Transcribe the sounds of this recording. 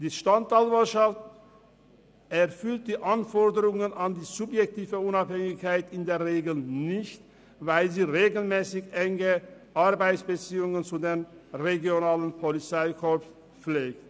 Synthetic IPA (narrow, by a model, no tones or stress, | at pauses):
d̥iːʃtantalvaʃaft | ɛɐfʏlt̚d̥iːʔanfɔɐdəʁʊŋənandiːzʊpjɛk̚tiːvəʊnaphɛŋɪçkaɪtɪndeːɐʁeːɡl̩nɪçt | vaɪlziːʁeːɡl̩mɛːsɪçʔɛŋəʔaɐbaɪsb̥ət͡siːʊŋənt͡sudeːnʁeɡjonaːlənpʰolit͡saɪkʰɔ | leːk̚t